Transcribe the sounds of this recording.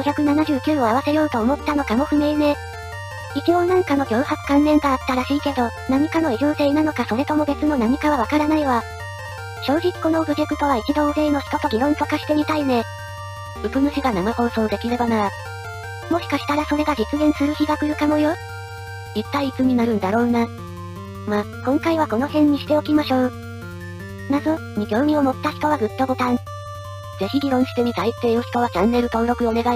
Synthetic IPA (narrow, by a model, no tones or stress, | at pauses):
ɡ̥oçʲakɯ̟nanaʑɨːkʲɨːo̞aβ̞ase̞jo̞ːt̪o̞ːmo̞t̪ːano̞kamo̞ɸɯ̟me̞ine̞ | it͡ɕio̞nãŋkano̞ɡʲo̞ːhakɨ̥kãnːẽ̞ŋɡaːt̪ːaɾaɕiːke̞d̪o̞ | naɲ̟ikano̞iʑo̞ːt̪e̞inano̞kaso̞ɾe̞t̪o̞mo̞be̞t͡sɨno̞naɲ̟ikaβ̞aβakaɾanaiβa | ɕo̞ːʑikʲi̥ko̞no̞bɯ̟ɾʲekɯ̟t̪o̞β̞ait͡ɕid̪o̞ɯ̟ɾe̞ino̞çi̥t̪o̞t̪o̞ɡʲinõ̞nt̪o̞kaɕi̥t̪e̞mʲit̪aine̞ | ɯ̟bɯ̟mɯ̟ɕiɡanamakõ̞ːso̞ːd̪e̞kʲiɾe̞banaɾ | mo̞ɕi̥kaɕi̥t̪aɾaso̞ɾe̞ɡad͡ʑit͡sɨɡẽ̞ɰ̃sɨɾɯ̟çiɡakɯ̟ɾɯ̟kamo̞jo̞ | it̪ːaiːt͡sɨɲ̟inaɾɯ̟̃nd̪aɾo̞ːna | ma | kõ̞ŋkaiβako̞no̞hẽ̞ɲ̟ːiɕi̥t̪e̞o̞kʲimaɕo̞ː | nazo | ɲiɡʲjo̞ːmʲĩo̞mo̞t̪ːaçi̥t̪o̞βaɡɯ̟t̪ːo̞ɡo̞t̪ãɴ | d͡ze̞çiɡʲiɾõ̞ɰ̃ɕi̥t̪e̞mʲit̪ait̪ːe̞ːnoɕi̥t̪o̞βat͡ɕãnːe̞ɾɯ̟t̪o̞nɾo̞kɯ̟o̞ne̞ɡai